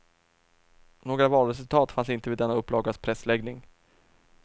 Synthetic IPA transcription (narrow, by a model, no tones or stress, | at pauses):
noːɡɾavɑːlɾɛsɵlt̪ʰɑːt̪fansɪnt̪əvɪd̪ːɛnːaɵpːlɑːɡaspʰɾɛslɛɡnɪŋ